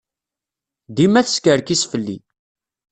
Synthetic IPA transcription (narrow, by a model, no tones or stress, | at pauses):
d̪imæθəskəɾkisfəlːḭ